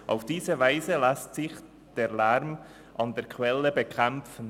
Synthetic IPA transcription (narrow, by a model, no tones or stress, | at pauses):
ʔa̰ʊfd̥iːzəvaɪzəlɛstsɪç | d̥eːlɛɾm | ʔɑndeːkʰvɛləbəkʰɛmfn̩